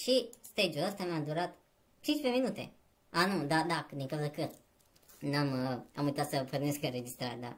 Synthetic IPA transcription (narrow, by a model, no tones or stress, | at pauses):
ʃist̪ed͡ʒuləst̪amad̪uɾat̪ | t͡ʃint͡ʃpeminut̪e̞̰ | anud̪ad̪akd̪iŋkawzəəkət̪ | namamujt̪at̪səporneskəɾe̞d͡ʒist̪ɾaɾd̪a̰